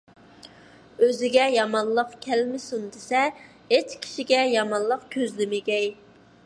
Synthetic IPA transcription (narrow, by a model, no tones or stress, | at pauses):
øzɪɡʲɛjɑmɑnlˠəqkʲʰɛlmɪsund̪ɪsɛ | et͡ʃkʲʰi̥ʃiɡʲɛjɑmɑnlˠəqkʲʰøzlɪmɪɡʲɛj